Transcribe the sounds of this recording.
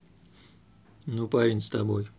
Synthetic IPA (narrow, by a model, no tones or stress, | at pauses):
nupaɾʲɪnʲst̪ɐboj